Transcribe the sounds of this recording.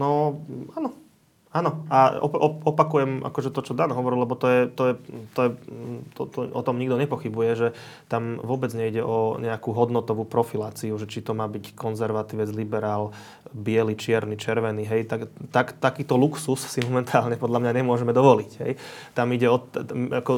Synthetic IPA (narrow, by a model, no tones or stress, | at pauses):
nɔanɔ | aːnɔaɔ̰ɔɔpakujɛmʔa̰kɔʒɛt̪ɔt͡ʃɔd̪anɦɔʋɔɾilɛbɔt̪ɔjɛt̪ɔjɛt̪ɔjɛt̪ɔt̪ɔ̰ʔɔ̰t̪ɔmɲiɡd̪ɔɲɛpɔxibujɛʒɛ | t̪amʋʊɔbɛd͡zɲɛiɟɛʔɔɲɛakuɦɔd̪nɔt̪ɔʋupɾɔfilaːt͡siuʒɛt͡ʃit̪ɔmaːbickɔnzɛɾʋat̪iʋɛd͡zlibɛɾaːl | bɪɛlit͡ʃɪɛɾnit͡ʃɛɾʋɛniɦɛjt̪akt̪akt̪akiːt̪ɔluksussimɔmɛnt̪ʰaːlɲɛpɔd̪ʎamɲaɲɛmʊɔʒɛmɛd̪ɔʋɔlicɦɛ̰jt̪amiɟɛɔakɔ